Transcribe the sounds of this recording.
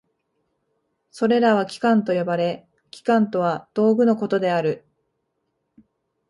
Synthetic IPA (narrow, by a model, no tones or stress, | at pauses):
so̞ɾe̞ɾaβ̞akʲi̥kãnt̪o̞jo̞baɾe̞ | kʲi̥kãnt̪o̞β̞ad̪̥o̞ːɡɯ̟no̞ko̞t̪o̞d̪e̞aɾɯ̟